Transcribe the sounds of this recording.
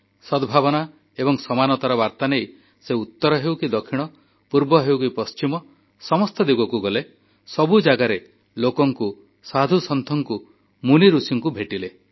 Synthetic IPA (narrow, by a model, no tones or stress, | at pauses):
sɔd̪bʱabɔna | ebɔŋsɔmanɔt̪aɾɔbaɾt̪anej | seut̪ːɔɾɔɦewkid̪ɔkʰiɽ̃ɔ | puɾbɔɦewkipɔst͡ʃimɔ | sɔmɔst̪ʰed̪iɡɔkuɡɔle | sɔbud͡ʒaɡaɾe | lokɔŋku | sad̪ʱusɔnt̪ʰɔŋku | muniɾusiŋkubʱeʈile